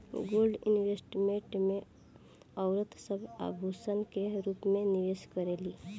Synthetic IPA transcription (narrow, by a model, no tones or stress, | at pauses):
ɡoːlɖɪnwesʈmẽʈmẽ | ɔʊɾət̪səbʱa̰ːbʱuːsənkeɾuːpmẽnɪʋeːskəɾeːliː